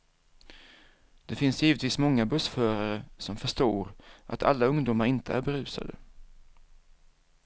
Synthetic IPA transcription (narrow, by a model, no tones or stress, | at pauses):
d̪̥ɛfɪnsjiːvət̪viːsmɔŋːabɵsfœːɾaɾəsɔmfœʂʈoːɾʔa̰t̪ʰa̰lːaɵŋd̪ʊːmaɾɪnt̪ʰəæ̰ɾbɛɾʉ̟ːsa̰d̪ə̰